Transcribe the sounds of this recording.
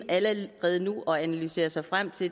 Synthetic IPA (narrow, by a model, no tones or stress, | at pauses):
æləʁɛːð̞ˠənuʔɒ̽ænælyse̝̰ːɐsɑ̈ɪfʁam̰t͡sʰe̝